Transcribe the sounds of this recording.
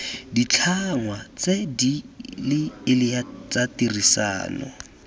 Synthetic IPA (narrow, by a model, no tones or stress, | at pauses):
dit͡ɬʰaŋwat͡sedilɪːlɪjat͡satirisa̰ːnɔ̰